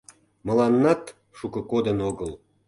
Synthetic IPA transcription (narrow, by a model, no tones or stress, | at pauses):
mə̆lɑnːɑt̪ | ʃukə̆kod̪ənoɣəl